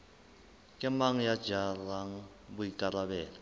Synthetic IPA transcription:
kʼɛmaŋ̩jḁd͡ʒaraŋ̩ | buikʼalaβɛːla

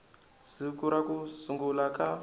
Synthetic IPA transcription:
sikuɾakusuŋɡulaka

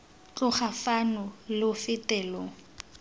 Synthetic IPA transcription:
t͡ɬʼʊχafanʊlʊfɪtʼɛːlɔ

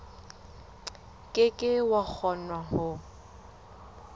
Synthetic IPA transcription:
kʼɪkʼɪwak͡xʰɔnwaɦʊ

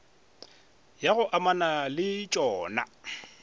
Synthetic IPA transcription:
jaɣʊʔamanalɪt͡ʃʼɔːna̰

